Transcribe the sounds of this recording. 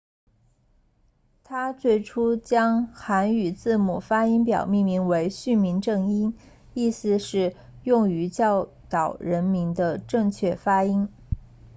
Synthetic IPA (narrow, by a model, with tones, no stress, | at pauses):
t̪ʰa˥t͡swe˥˩ɪʈ͡ʂʰu˥t͡ɕjɑ˥ŋxa˧˥ny˨˩t͡sɹ̩˥˩mu˨˩fa˥i˥ŋpjɑ̰˨˩ʊmi˥˩ŋmi˧˥ŋwe˧˥ɪɕy˥˩nmi˧˥nʈ͡ʂɤ˥˩ŋi˥n | i˥˩sɹ̩˧ʂɻ̩˥˧jʊ˥˩ŋy˧˥t͡ɕjɑ˥˩ʊ | t̪ɑ˨˩ʊɻə˧˥nmi˧˥nd̪ə˧ʈ͡ʂɤ˥˧ŋt͡ɕʰɥɛ˥˩fa˥i˥n